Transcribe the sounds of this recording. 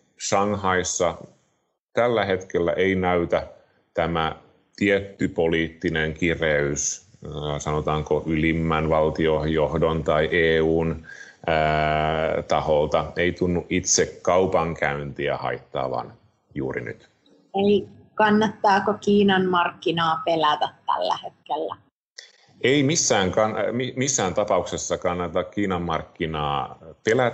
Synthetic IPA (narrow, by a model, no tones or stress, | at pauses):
sɑŋhɑisːɑ | t̪ælːæhet̪kelːæ̰ʔeinæyt̪æ | t̪æmæ | t̪iet̪ːypoliːt̪ːineŋkireys | sɑnot̪ɑːŋkoʔylimːænʋɑlt̪iohjohdont̪ɑiʔeːuːnː | t̪ɑholt̪ɑeit̪unːuʔit̪sekkːɑupɑŋkʰæynt̪iæ̰hɑ̰it̪ːɑ̰ːʋɑ̰n | jṵːrḭny̰t̪ | eli | kɑnːɑt̪ːɑːkokiːnɑnmɑrkːinɑːpelæt̪æt̪tæ̰lːæ̰het̪̚kelːæ̰ | eimisːæːŋkɑnmimisːæːnt̪ɑpɑuksesːɑkɑnːɑt̪ɑkkiːnɑmːɑrkːinɑːpelæt̪